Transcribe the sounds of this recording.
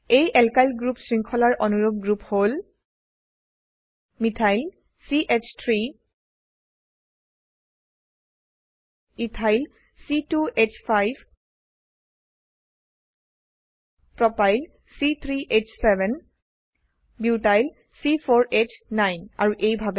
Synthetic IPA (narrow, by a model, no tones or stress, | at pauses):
ejʔɛlkajlɡɹupsɹiŋkʰɔlaɹʔɔnuɹoɡ̚ɡɹuphol | mitʰajl | siʔet͡ʃʰt̪ʰɹi | mitʰajl | situet͡ʃʰpʰajbʱ | pɹɔpajl | sit̪ʰɹiʔet͡ʃʰsɛbɛn | bitajl | sipʰɔɹʔet͡ʃʰnajna̰ɹuʔejbʱabɛ